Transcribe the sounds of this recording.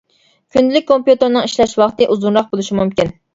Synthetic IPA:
kʲʰynd̪ɪlɪk̚ʲkʰːompjut̪ɨɾnɨŋiʃlɛʃwɑχt̪ɨʔuzunɾɑq̚bolˠuʃimumkʲin

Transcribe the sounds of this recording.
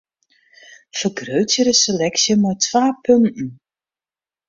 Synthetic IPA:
fərɡrøɥtjəɾəselɛksjəmajtʋaːpɵntn̩

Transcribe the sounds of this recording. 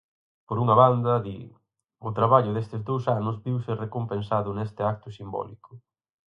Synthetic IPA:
poɾuŋɐβand̪ɐðḭ | ʊt̪ɾaβaʎʊðest̪ɪzd̪owsanʊzbiwsɪrekompensaðʊnest̪ɪak̚t̪ʊsimbɔ̰lḭkʊ

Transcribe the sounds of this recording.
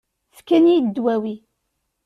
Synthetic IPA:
fkːænid̪ːwæwi

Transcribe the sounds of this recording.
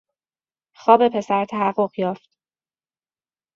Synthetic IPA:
xɒːbe̞pʰe̞sæɾt̪ʰæɦæɢoɣjɒːft̪

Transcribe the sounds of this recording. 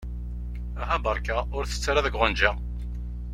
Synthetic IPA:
æɦæbəɾˤkaʊɾθə̥t͡sːaɾaðəɡʁʊnd͡ʒæ

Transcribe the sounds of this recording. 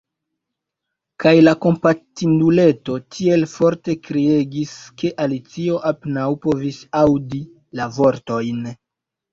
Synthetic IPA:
kajlako̞mpatindule̞to̞tʰie̞lfo̞ɾte̞kɾie̞ɡiske̞ʔalit͡sio̞ʔapenawpo̞visawdi | lavo̞ɾto̞jn

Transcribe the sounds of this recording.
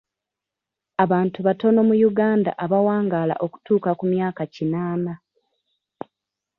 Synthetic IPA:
aβaːntuβato̞no̞mujuɡaːnda̰ʔaβawaːŋɡaːla̰ʔo̞ku̥tuːkakumjaːkacinaːna

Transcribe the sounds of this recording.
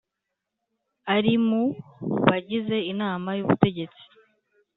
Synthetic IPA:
aɾimuβaɟize̞inaːmajuβute̞ɟe̞t͡si̥

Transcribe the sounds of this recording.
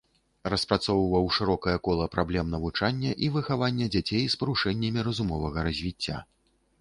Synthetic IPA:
rɐspɾat̪sɔwvɐwʂɨɾɔkɐjɐkɔlˠɐpɾablʲɛmnɐvut͡ʂanʲːɐʔivɨxavanʲːɛd͡zʲat͡sʲejspɐɾuʂɛnʲːɐmʲiɾɐzumɔvɐɣɐɾɐzʲvʲit͡sʲːa̰

